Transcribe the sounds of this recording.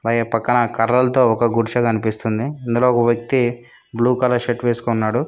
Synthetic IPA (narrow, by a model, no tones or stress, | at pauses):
ɐlaːɡeːpɐkːɐnɐkɐɾːɐlɐt̪o̞ːɔkɐɡuɾʃɐkɐnipist̪und̪iɐnd̪ulo̞ːɔkɐʋjɐk̚t̪i | bluːkɐlɐʂeʈʋeːsu̥konːaːɽu